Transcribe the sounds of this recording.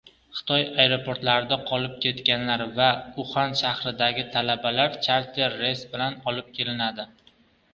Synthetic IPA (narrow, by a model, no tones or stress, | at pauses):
χɨ̥t̪ʰɒjajɾopʰo̞ɾt̪laɾɪd̪aqʰɒlɪp̚kʲʰe̞t̪kʲanlaɾvaʊχanʃahɾɪd̪aɡʲɪt̪ʰalabalaɾt͡ʃʰaɾt̪ʰeɾːe̞sbɪlanɒlɪp̚kʲʰe̞lɪnad̪ɪ